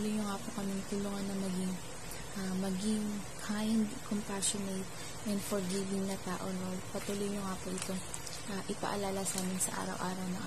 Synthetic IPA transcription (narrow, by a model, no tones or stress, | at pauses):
lojɲʊŋaːpokɐmɪŋt̪ʊluːŋɐnːɐŋmɐɡɪŋ | ʔamɐɡɪŋ | kʰajnd̪kompaʃonet̪̚ | ʔɛnd̪foɹɡivɪŋnɐt̪aːʔonolpɐt̪uːlojɲʊŋaːpoʔɪt̪o̞ŋ | ʔaʔɪpɐ̰ʔɐlaːlɐsaːmɪnsɐ̰ʔa̰ːɾɐ̰wʔa̰ːɾɐwnɐŋʔ